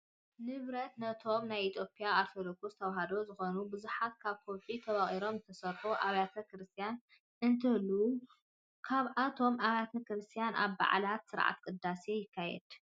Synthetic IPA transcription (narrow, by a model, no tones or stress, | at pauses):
nɨβɾɐt̪nɐt̪ʰo̞mnajit̪ʰjo̞pʰʼːiaːɾt̪ʰod̪okust̪ʰɐwaɦad̪o̞zɨxonubɨzuħat̪kʰaβkʰoβʔʼit̪ʰɐβaχʼiɾo̞mzt̪ʰɐsɐɾfoʔaβjat̪ʰɐkɾɨst̪ʰijan | ɨnt̪ʰɨlːu | kʰaβʔat̪ʰo̞mʔaβjat̪ʰɐkɾɨst̪ʰijanʔa̰βba̰ʕ̰lat̪sɨɾʕa̰t̪kʼɨd̪ːase̞jɪkʰːajɛ̰d̪̥